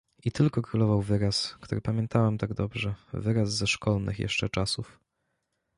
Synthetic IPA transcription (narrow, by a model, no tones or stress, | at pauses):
it̪ɘlkɔkɾulɔvawvɘɾaskt̪uɾɘpamʲjɛnt̪awɛmt̪aɡd̪ɔbʐɛvɘɾazzɛʂkɔlnɘ̰xjɛ̰ʂt͡ʂɛ̰t͡ʂasuf